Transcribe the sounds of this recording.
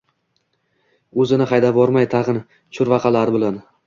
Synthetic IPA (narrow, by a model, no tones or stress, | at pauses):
ɵzɪnɪχɑjd̪avɒɾmajt̪ʰɑʁɨn | t͡ʃʰʊɾvɑqʰɑlaɾɪbɪlan